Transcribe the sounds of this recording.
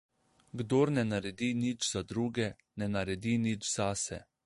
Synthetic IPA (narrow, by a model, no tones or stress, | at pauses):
ɡd̪oːɾnɛnaɾɛd̪inid͡ʒzad̪ɾuːɡɛ | nɛnaɾɛd̪inid͡ʒz̥asɛ̰